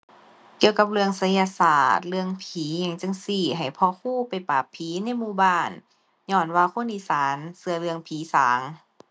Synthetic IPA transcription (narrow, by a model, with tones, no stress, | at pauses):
ki˧əwka˧p̚lɯ˧əŋsa˧˦ja˧saː˧˩t̪̚lɯ˧əŋpʰiː˨˦ɲa˧˩˨ŋt͡ɕɯ˧˨ŋsiː˧˩ɦa˨˩jpʰɔː˧kʰuː˧˥˩pa˨˩jpaː˨˩pʰːiː˨˦na˧˥˨jmuː˧˨baː˧˥˩n | ɲɔː˧˩˨nwaː˧kʰo˧˥˨nʔiː˧˨saː˨˦nsɯ˧ɐ˧lɯ˧əŋpʰiː˨˦saː˨˦ŋ